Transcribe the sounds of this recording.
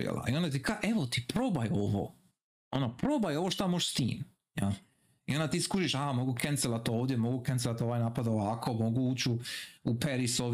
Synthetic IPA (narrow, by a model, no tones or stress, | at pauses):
ḭḛlʔa̰io̞nd̪at̪̬ikaʔe̞ʋot̪ipɾobajoʋo̰ | onapɾo̞bajo̞ʋo̞ʃt̪amoʃst̪ḭːm | ja | io̞nd̪at̪iːskuʃiʃamo̞ɡukent̪selat̪oːʋd̪jemo̞ɡukenselat̪o̞ʋaːjnapad̪oʋaːkʰo̞mo̞ɡuuːt͡ɕuupeɾisoʋ